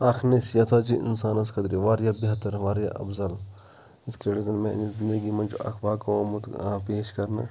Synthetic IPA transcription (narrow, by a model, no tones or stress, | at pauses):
aːkʰnesjɐt̪ʰaːt͡ʃiʔɪ̰nsaːnɐskʰɐd̪ɾiʋaːɾjaːbiɦɐt̪ɐɾʋaːɾja̰ːʔɐ̰bzɐl | it̪keɽizɐnmẽzind̪ɐɡimɐnʲt͡ʃuɐ̰kʰbaːkʋoːmut̪ːpeːʃkɐɾna̰